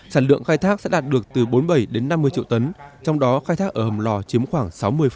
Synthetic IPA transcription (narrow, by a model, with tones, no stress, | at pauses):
saː˧˩nlɨ̰˧˨əŋxaː˧jt̪ʰaː˦˥k̚sɛ̰˧˥ɗaː˨˩t̚ɗɨ˨˩ək̚t̪ɨ˨˩ɓo˨˦nɓə˧˩jɗe˨˦nːa˧mːɨ˧ət͡ɕḭ˧˨wt̪ə˨˦nt͡ɕɔ˧wŋ͡mɗɔ˨˦xaː˧jt̪ʰaː˦˥k̚ʔəː˧˩hə˨˩ŋ͡mlɔ˧˩t͡ɕi˨˦əmxwaː˧˩ŋsa˨˦wmɨ˧əjf